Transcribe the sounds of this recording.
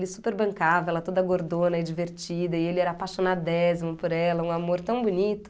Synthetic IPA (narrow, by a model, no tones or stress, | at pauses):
lɪsupeɾbɐ̃ŋkavɐɛlɐt̪od̪ɐɡoɾd̪õnɐɪd͡ʒiveɾt͡ʃid̪ɐɪelɪɛɾɐaːpaʃonad̪ʊd̪ɛzimʊpoɾɛlɐũamoɾt̪ɐ̃w̃bunit̪ʊ̥